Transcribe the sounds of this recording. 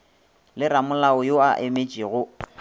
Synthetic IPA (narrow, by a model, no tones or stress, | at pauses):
lɪramʊlaʊjoaʔemet͡ʃʼiɣʊ